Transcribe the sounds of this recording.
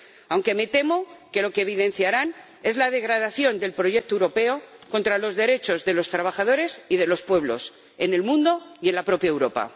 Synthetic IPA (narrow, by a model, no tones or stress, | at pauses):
awŋke̞me̞t̪e̞mo̞ke̞lo̞keβ̞ið̞ẽ̞nθjaɾan | e̞zlað̞e̞ɣɾað̞aθjo̞nd̪e̞lpɾo̞ʝe̞k̚t̪oewɾo̞pe̞o̞ko̞nt̪ɾalo̞zðe̞ɾe̞t͡ʃo̞zðe̞lo̞st̪ɾaβaxað̞o̞ɾe̞siðe̞lo̞spwe̞β̞lo̞̰s | e̞ne̞lmũnd̪o̞je̞nlapɾo̞pjaewɾo̞pa̰